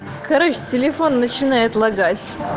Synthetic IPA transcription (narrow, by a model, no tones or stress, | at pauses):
kɐɾoɕtʲɪlʲɪfo̞nːət͡ɕɪnajɪt̪lˠɐɡat͡sʲ